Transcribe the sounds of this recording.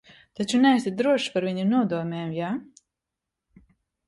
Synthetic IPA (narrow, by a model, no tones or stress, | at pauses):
t̪at͡ʃunɛst̪it̪̚d̪ɾuɔʃpaɾviɲinuɔd̪uɔmʲɛːmjaː